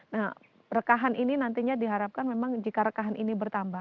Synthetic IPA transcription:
nah | rəkaɦanʔininant̪iɲadiɦaɾap̚kanmemaŋd͡ʒikaɾəkaɦanʔinibərt̪amba

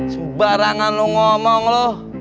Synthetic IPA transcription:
subaɾaŋanloŋɔmɔŋlɔ

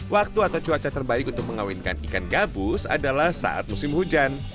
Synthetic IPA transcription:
wʔak̚t̪uat̪awt͡ʃuat͡ʃat̪ərbaɪkunt̪ʊk̚məŋawinka̰nikanɡabusa̰dalahsa̰ʔa̰t̪̚musɪmhud͡ʒan

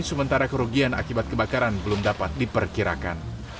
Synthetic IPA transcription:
nsəmənt̪aɾakəɾoɡiana̰kibat̪̚kəbakaɾanbəlʊmdapat̪̚dipərkiɾa̰ka̰n

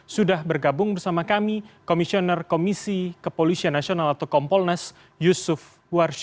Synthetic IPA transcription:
sudahbərɡabʊŋbərsamakamikomisionɛrkomisikəpolisianːasionalat̪awkɔmpɔlnas | jusʊf | warʃ

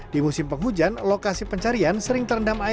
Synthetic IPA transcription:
d̥imusɪmpəŋɦud͡ʒanlokasipəɲt͡ʃaɾiansəɾɪŋt̪ərndama

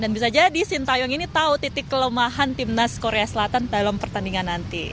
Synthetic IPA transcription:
danbisad͡ʒadisint̪ajɔŋinit̪aut̪it̪ɪkːələmaɦant̪imnaskoɾeasəlat̪andalampərt̪andiŋanːant̪i

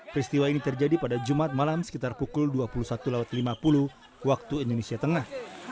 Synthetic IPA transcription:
pɾist̪iwainit̪ərd͡ʒadipadad͡ʒumat̪̚malamsə̥kit̪arpukʊlduapulusat̪ulawat̪limapulu | wak̚t̪uindonesiat̪əŋah

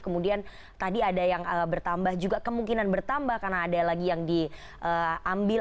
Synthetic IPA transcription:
kəmudian | t̪adiadajaŋəbərt̪ambahd͡ʒuɡakəmuŋkinanbərt̪ambahkarnaːdalaɡijaŋdi | ʔəambɪ

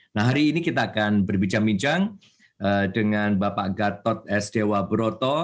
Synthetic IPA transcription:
nahɦaɾiːnikit̪aːkanbərbiɲt͡ʃaŋbiɲt͡ʃaŋ | ʔədəŋanbapaʔɡat̪ɔt̪̚ɛsd̥ewabəɾot̪ɔ

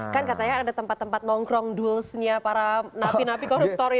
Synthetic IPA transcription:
kankat̪aɲaadat̪əmpat̪ːəmpat̪̚nɔŋɡɾɔŋdulsɲapaɾanapinapikɔɾup̚t̪ɔɾ

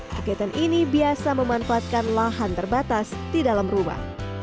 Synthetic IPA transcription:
pakaat̪anʔinibiasaməmanfaːt̪̚kanlaɦant̪ərbat̪asdidalamruma̰h

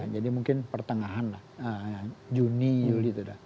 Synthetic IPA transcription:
d͡ʒadimuŋkɪnpərt̪əŋaɦanlahəŋd͡ʒuniulit̪uda

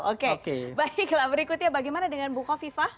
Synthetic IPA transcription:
okekebaiklabəɾikut̪ɲabaɡajmanadəŋanbuxafifa

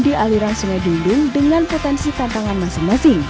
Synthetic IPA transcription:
diʔaliɾaŋsuŋajdulʊŋdəŋanpot̪ɛnsit̪ant̪aŋanmasɪŋmasɪŋ

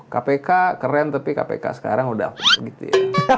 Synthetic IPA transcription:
kapekakərɛnt̪apika̰pḛka̰sə̥ka̰ɾaŋuda̰hpuɡit̪ṵja

